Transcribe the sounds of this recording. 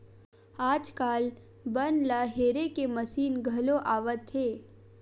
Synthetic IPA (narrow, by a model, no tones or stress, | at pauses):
aːd͡ʒkaːl | bənlaɦeːɾekeməsiːnɡʱɐloʔaːʋət̪ɦeː